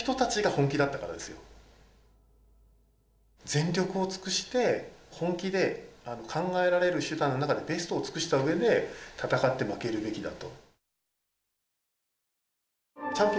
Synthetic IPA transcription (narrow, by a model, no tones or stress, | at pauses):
t̪o̞t̪at͡ɕiɡahõ̞ŋkʲid̪at̪ːakaɾa̰d̪esɨjo̞̰ | d͡zẽ̞nɾʲo̞kɯ̟o̞t͡sɨ̥kɯ̟ɕi̥t̪e̞hõ̞ŋkʲid̪e̞ano̞kʰãŋɡae̞ɾaɾe̞ɾɯ̟ɕɨd̪ãnːo̞nakad̪e̞be̞sɨ̥t̪o̞ːt͡sɨ̥kɯ̟ɕi̥t̪aɯ̟e̞d̪e̞t̪ʰat̪akat̪ːe̞make̞ɾɯ̟be̞kʲid̪a̰t̪o̞ | t͡ɕãmpʲ